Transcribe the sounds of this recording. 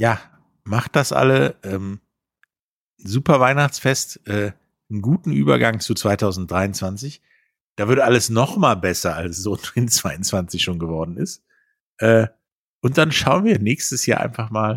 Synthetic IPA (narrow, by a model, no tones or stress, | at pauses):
jaː | maχt̚d̥asʔa̰ləʔɛːm | n̩zuːpɐvaɪnaχt͡sfɛstʔɛː | n̩ɡuːtn̩ʔy̰ːbɐ̰ɡaŋt͡sut͡sv̥aɪtʰaʊzn̩td̥ʁaɪʊnt͡sv̥ant͡sɪç | d̥aːvɪɐtʔaləsnɔχmaːlbɛsɐalssʊnɪnt͡sv̥aɪʊnt͡sv̥ant͡sɪçʃoːnɡəvɔɐdn̩ɪst | ʔɛː | ʔʊnt̚d̥anʃaʊənviːɐnɛːçstəsjaːʔa̰ɪnfaχmaːl